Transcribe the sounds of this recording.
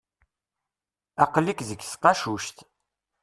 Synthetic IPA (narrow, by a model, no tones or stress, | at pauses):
ɑqlikzəɡsqɑʃuʃt̪